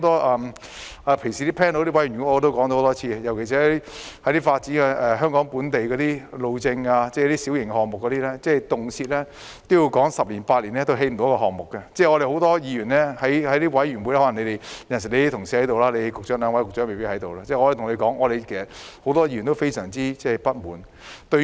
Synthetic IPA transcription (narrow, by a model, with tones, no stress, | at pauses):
wt̪ɔː˥ʔɐ˧m | a˨˧pʰɪ˨˩ŋsiː˨t̪iː˥pʰɛː˥nt̪o˧˥t̪i˥wɐ˨˥jːt̪o˥wkɔː˨˥ŋt̪o˧˥hwt̪ɔː˥t͡sʰiː˧kɛ˧jɐ˨˩wkʰe˨˩s̬iː˨˥i˥hɐ˨˥jt̪iː˥faː˧t̚t͡si˨˥nkɛ˧ɛː˨˩ɦœː˥ŋkɔː˨˥ŋpuː˨˥nt̪e˨jkɔː˨˧t̪iː˥lo˨˧wt͡sɪ˧ŋaː˧t͡sɛ˥˩˧t̪iː˥si˨˥wjɪ˨˩ŋkɛ˧hɔː˨˩ŋmʊ˨kːɔː˨˥t̪iː˥lɛ˥t͡sɛː˥˩jt̪ʊ˨ŋt͡sʰiː˧t̚lɛː˥ | t̪o˥wji˧wkɔː˨˥ŋsɐ˨p̚liː˨˩npaː˧t̚liː˨˩nlɛː˥t̪o˧wɦe˧jm̩˨t̪o˨˥kɔː˧ɦɔː˨˩ŋmʊ˨kːɐ˧t͡sɛː˥˩ŋɔː˨˧ɾe˨jho˨˥wt̪ɔː˥jiː˧jyː˨˩nlɛ˥hɐ˨˥jhɐ˨˥jt̪iː˥wɐ˨˥jɥy˨˩nwu˨˧˥jhɔː˨˥ɐ˨ŋne˨˧t̪e˨jjɐ˨˩ns̬ɪ˨˩le˨˧˥t̪ʰʊ˨ŋsi˨˥hɐ˨˥t̪o˨wlaː˥le˨˧kʊ˨k̚t͡ʃœː˨˥ŋlœː˨˧ŋwɐ˨˥jkʊ˨k̚t͡ʃœː˨˥ŋme˨jpi˥t̚hɐ˨˥jt̪o˨wlaː˧t͡sɛː˥˩ɔ˧˥˨t̪ʰʊ˨˩ŋne˨˧jkɔː˨˥ŋɔː˧ɾe˨˧jkʰe˨˩sɐ˨˩ho˨˥wt̪ɔː˥jiː˨˧˩ɥy˨˩nt̪o˥wfe˥jsœː˨˩ŋt͡siː˥t͡sɛː˥˩pɐ˥t̚muː˨˥n | t̪ɵ˧